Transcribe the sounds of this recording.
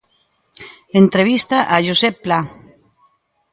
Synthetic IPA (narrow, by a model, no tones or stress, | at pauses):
ent̪ɾeβ̞ist̪aʔaʒusepːla